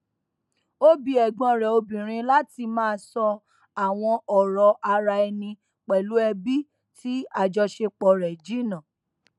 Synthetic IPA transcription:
o˦bi˨˦ɛ˨ɡɔ̃˨˧ɾɛ˨o˧bĩ˨ɾ̃ĩ˧la˦ti˧mãː˦˧˦sɔ˧ | a˨w̃ɔ̃˧ʔɔ˨ɾɔ˨ʔa˧ɾa˧ɛ˧nĩ˧ | k͡pɛ˨lu˨˦ɛ˧bi˦ | ti˦a˨d͡ʒɔ˧ʃe˧k͡pɔ˨ɾɛ˨d͡ʒi˨˦nã˨

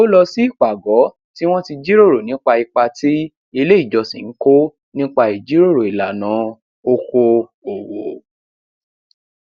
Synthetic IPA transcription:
o˦lɔ˧si˦i˦˨k͡pa˨ɡɔ˨˦ | ti˦w̃ɔ̃˦ti˧d͡ʒi˦ɾo˦˨ɾo˨nĩ˨˦k͡pa˧i˧k͡pa˧ti˦ | i˧le˦i˦˨d͡ʒɔ˧sḭ˨n̩˦ko˦ | nĩ˦k͡pa˧i˨d͡ʒi˨˦ɾo˦˨ɾo˨i˨la˨nã˨˦ | o˧ko˧o˨wo˨

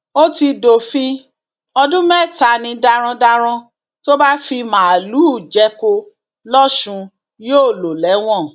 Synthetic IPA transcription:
o˦ti˧do˨fĩ˧ | ɔ˧dũ˦mɛ˦˨ta˨nĩ˧da˧ɾ̃ã˧da˧ɾ̃ɔ̃˧ | to˦ba˦fi˧mã˨lu˨˦˨d͡ʒɛ˧˦ko˧ | lɔ˦ʃũ˧ | joː˦˨lo˨lɛ˨˦w̃ɔ̃˦˨

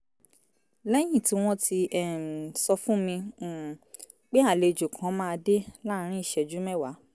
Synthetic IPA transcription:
lɛ˦j̃ĩ˦˨ti˨˦w̃ɔ̃˦tʰi˧ɛ˦˨m˨sɔ˧fũ˦mĩ˧˨ | k͡pe˦a˦˨le˨d͡ʒo˨kʰã˨˦mãː˦˧de˦la˦˨ɾ̃ĩ˦i˦˨ʃɛ˨d͡ʒu˨˦mɛ˦˨wa˨˦

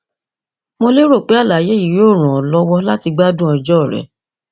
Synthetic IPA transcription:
mo˧le˦ɾo˦˨k͡pe˨˦a˦˨la˨je˨˦i˨je˨˦o˦˨ɾ̃ã˨ɔ˨lɔ˧wɔ˧la˦ti˧ɡ͡ba˦dũ˦ɔ˧d͡ʒɔ˦˨ɾɛ̰˨˦

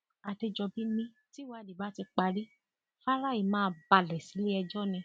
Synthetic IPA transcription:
a˧te˧d͡ʒɔ˧bi˦nĩ˧ | ti˦wa˦˨di˨ba˦ti˧k͡pa˧ɾi˦ | fa˦ɾa˦i˨mãː˦˧ba˧˨lɛ˨si˨˦li˦ɛ˧d͡ʒɔ˦nĩ˧

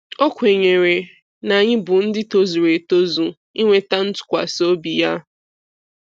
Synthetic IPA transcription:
o˦kʷe˨ɲe˨ɾe˨ | na˨ɲɪ˦bʊ˨n̩˦dɪ˦to˦zu˨ɾe˨to˦zu˨ | i˦ŋʷe˦ta˦n̩˦tʊ̥˨kʷa̰˨so˦bi˨ja˦

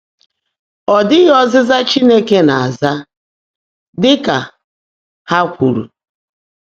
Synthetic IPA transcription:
ɔ˨dɪ˦ɣɔ˦zɪ˦za˦t͡ʃi˦ne˦ke˦na˨a˨za˦ | dɪ˦ka˨ | ha˦kʷu˨ɾṵ˨

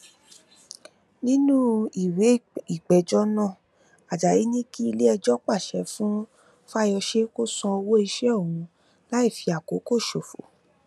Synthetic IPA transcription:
nĩ˦nũ˦i˨we˨˦i˦˨k͡pɛ˨d͡ʒɔ˦nã˦˨ | a˨d͡ʒa˨ji˨˦nĩ˦ki˦i˧le˦ɛ˧d͡ʒɔ˦k͡pa˦˨ʃɛ˨˦fũ˦ | fa˦jɔ˧ʃe˦ko˦sɔ̃˧o˧wo˦i˧ʃɛ˦o˦˨ũ˨˧˦ | la˦i˦˨fi˧a˨ko˨˦ko˦˨ʃo˨fo̰˨˦

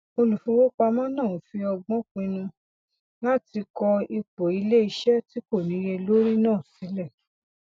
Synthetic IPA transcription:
o˧lu˨fũ˦wo˦k͡pa˧mã˦nã˦˨˦fi˧ɔ˧ɡ͡bɔ̃˦k͡pĩ˧nũ˧ | la˦ti˧kɔ˧i˧k͡po˨i˧le˦i˧ʃɛ˦ti˦ko˦˨nĩ˨˦ɾe˧lo˦ɾĩ˦nãː˦˨si˨˦lɛ˦˨

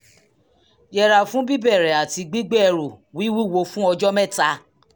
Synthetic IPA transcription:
jɛ˧ɾa˨fũ˦bi˦bɛ˦˨ɾɛ˨a˨ti˧ɡ͡bi˦ɡ͡bɛ˦ɛ˧˨ɾu˨wi˨˦wi˦˨wo˧fũ˦ɔ˧d͡ʒɔ˦mɛ̃˦˨ta˧

